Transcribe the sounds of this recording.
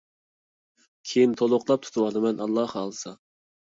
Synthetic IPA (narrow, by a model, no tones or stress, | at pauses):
kʲʰejint̪ʰolˠʊqlˠɑp̚t̪ʰu̥t̪ʰuwɑd̪ɨmɛnʔɑlˠːɑhːlˠsɑ